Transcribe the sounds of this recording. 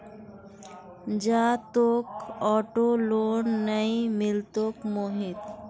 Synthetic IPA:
d͡ʒaːt̪oːkɔːʈoːloːnːəimɪlt̪oːkmoːɦɪd̪

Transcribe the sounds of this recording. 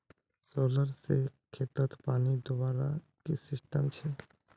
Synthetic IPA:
soːləɾsekʰeːt̪ət̪paːnid̪ʊbaːɾa̰ | kesɪsʈəmt͡ʃʰɛ

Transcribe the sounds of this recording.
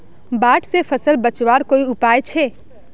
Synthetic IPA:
baːʈsepʰəsəlbət͡ʃwaːɾkoːiʊpaːjt͡ʃʰe

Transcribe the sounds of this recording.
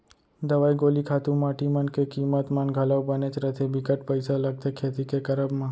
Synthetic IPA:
d̪əʋajɡolikʰat̪ũmaʈimankekimət̪manɡʱələʋbənet͡ʃɾət̪ʰebikəʈpəjsaləɡ̚t̪ekʰet̪ikekəɾəbmã

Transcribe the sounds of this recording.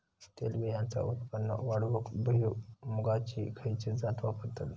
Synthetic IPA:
t̪ḛlʋejãnt͡sa̰ʔut̪pənːə̰ʋaɽʋəkbəɦimuɡat͡ɕḭkʰəjt͡sed͡zat̪ʋapəɾt̪at̪

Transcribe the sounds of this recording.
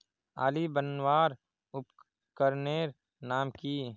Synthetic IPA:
a̰ːlibənwaːɾ | ʊp | kəɾneːɾ | naːmkiː

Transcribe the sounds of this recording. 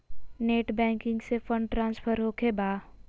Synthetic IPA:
neːʈbɛ̃ːŋkɪ̃ŋɡsefə̃ɳɖʈɾãːnspʰəɾɦoːkʰebaː

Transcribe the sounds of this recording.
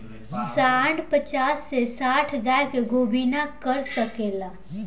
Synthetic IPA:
saːɳɖpət͡ʃaːsːesaːʈʰɡɛːkeɡʱoːbʱiːnakəɾsəkeːlaː

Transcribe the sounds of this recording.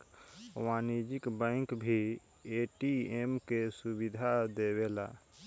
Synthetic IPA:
ʋaːnid͡ʒɪkbə̃ɪŋkbʱi | eʈiemkesubid̪ʱad̪eweːla̰

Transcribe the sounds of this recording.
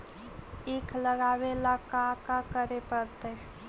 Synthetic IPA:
ekʰləɡaːweləkakakəɾepəɾt̪ə

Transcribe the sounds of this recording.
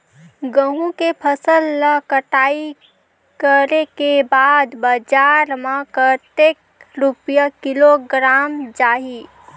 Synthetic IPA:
ɡəɦũkepʰəsəlnəkəʈaːi | kəɾekebaːd̪bəd͡ʒaːɾmãkəʈeːk̚ | ɾupjakɪloɡɾaːmd͡ʒaːɦi

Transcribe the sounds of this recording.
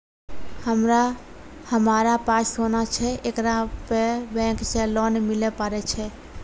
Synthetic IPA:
həmɾa | həmaɾapassonat͡ʃʰɛʔekɾapebɛ̃kt͡ʃɛlɔnɛmɪlɛpəɾɛt͡ʃʰɛ

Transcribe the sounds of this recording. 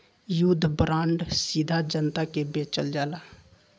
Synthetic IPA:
jud̪ʱːbɾãːɳɖsid̪ʱad͡ʒənt̪akebeːt͡ʃəld͡ʒaːla

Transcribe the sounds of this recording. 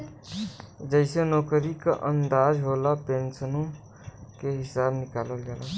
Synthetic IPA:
d͡ʒəɪsenɔːkəɾikaʔə̃nd̪aːd͡ʒɦoːlapeːnsənõ | keɦɪsaːbnɪkaːləlɡaːla

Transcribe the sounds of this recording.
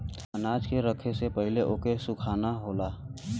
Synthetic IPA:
ənaːd͡ʒkeɾəkʰesepəɦɪleʔoːkesʊkʰaːnaɦoːlaː

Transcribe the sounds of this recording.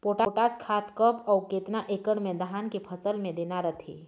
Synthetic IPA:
poːʈaʈaːskʰaːt̪kəpɔːkeːt̪naʔeːkəɽmẽd̪əɦaːnkepʰəsəlmẽd̪eːnaɾət̪ʰḭː

